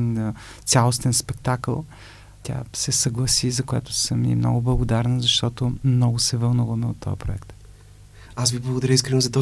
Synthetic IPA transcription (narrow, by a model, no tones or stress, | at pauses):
n | t̪sʲalˠost̪ɛnspɛk̚t̪akəlˠ | t̪ʲa̰sɛsɐɡlˠɐsizɐkoɛ̰t̪ʊ̥səmḭmnɔ̰ɡʊblˠɐɡʊd̪aɾnəzɐʃt̪ɔt̪omnɔɡʊsɛvəlˠnulˠəmɛo̰t̪ːɔ̰ə̰pɾoɛ̰kt̪ə̥ | asviblˠəɡod̪ɐɾʲjəis̬kɾɛnʊzɐt̪ɔ